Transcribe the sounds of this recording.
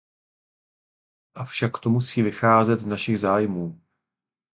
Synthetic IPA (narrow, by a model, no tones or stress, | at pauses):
ʔafʃakːt̪omusiːvɪxaːzɛt̪znaʃɪɣzaːjmuː